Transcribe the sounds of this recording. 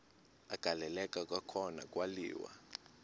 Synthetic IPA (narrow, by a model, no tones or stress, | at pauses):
aɡ̥ʱalɛlɛkʼakʼakʰɔna̰kʼwalḭːwa̰